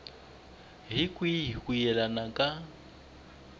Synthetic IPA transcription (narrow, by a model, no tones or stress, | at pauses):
ɦikʼwikujɛlanakʼa